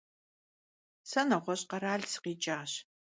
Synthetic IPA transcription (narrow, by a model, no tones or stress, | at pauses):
sɐnɐʁʷɔɕʼqɐɾaːɮsɨ̥qiːt͡ʃʼaːɕ